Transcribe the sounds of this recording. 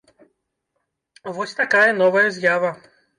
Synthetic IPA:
vɔsʲt̪akajɛnɔvɐjɐzʲjavɐ

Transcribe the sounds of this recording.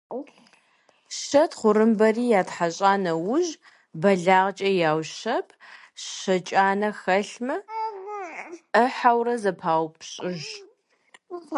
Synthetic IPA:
ʃɐtχʷʊɾɨmbɐriːjaːtħaɕʼaːnɐwʊʑ | bɐɮaːʁt͡ʃʼɐjaːwɕɐpʰ | ɕɐt͡ʃʼaːnɐxɐɬmɐ | əħawrɐzɐpʰaːwpʰɕʼɪʒ

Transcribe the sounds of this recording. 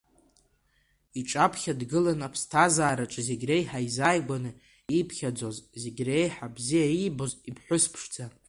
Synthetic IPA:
iʈ͡ʂʼapʰχʲadɡɨlanapʰstʰazaːɾaʈ͡ʂʼzeɡʲrejħaizajɡʷanɨ | ipʰχʲad͡zo̞zze̞ɡʲrejħabzijaibozipʰħʷʊspʰʂd͡za

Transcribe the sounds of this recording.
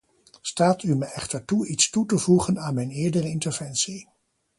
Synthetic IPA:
staːtyməɛχtəɹtuitstutəvuχənaːnmɛjnɪːɹdərəɪntəɹvɛnsi

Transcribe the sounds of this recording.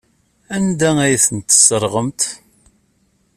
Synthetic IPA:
ænd̪ææjθənt̪ːə̥sːəɾˤʁəmt̪

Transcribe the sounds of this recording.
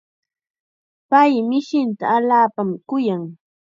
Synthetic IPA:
pajmɪʃɪnt̪aːlaːpamkʊjaŋ

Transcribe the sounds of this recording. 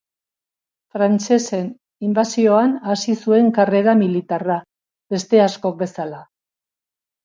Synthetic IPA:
fɾant͡ʃe̞se̞n | imbasio̞anasisue̞ŋkare̞ɾamilit̪ara | be̞st̪e̞asko̞k̚be̞sala

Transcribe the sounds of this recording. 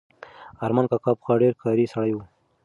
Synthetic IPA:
aɾmankɑkɑpxɑɖeɾkɑɾisaɽajwu

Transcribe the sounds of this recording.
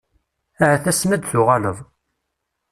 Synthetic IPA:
æhæθæsmæd̪θʊʁɑləðˤ

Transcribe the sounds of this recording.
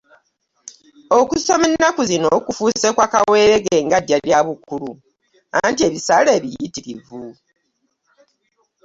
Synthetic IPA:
okusomenːakuzino̞ːkufuːsekwakawe̞ːɾeɡe̞ːŋɡaɟːaβjaβukulu | antie̞βisale̞ːβijitiɾḭvu

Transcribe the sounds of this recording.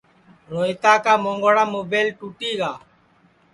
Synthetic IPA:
ɾoːit̪aːkaːmõːŋɡoːɽaːmoːbeːlʈuːʈiːɡaː

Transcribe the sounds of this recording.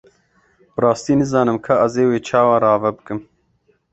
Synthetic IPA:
b̥ɨɾɑːst̪iːnɨzɑːnɨmkʰɐʔɐzeːweːt͡ʃʰɑːwaɾɑːvɛbɨkɨm

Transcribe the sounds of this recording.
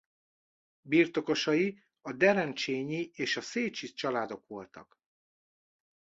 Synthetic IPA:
biːrt̪o̞ko̞ʃɒji | ɒd̪ɛɾɛnt͡ʃeːɲieːʃɒseːt͡ʃit͡ʃɒlaːd̪o̞kʋo̞lt̪ɒ̰k

